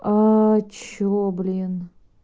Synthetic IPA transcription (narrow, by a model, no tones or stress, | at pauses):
at͡ɕoblʲin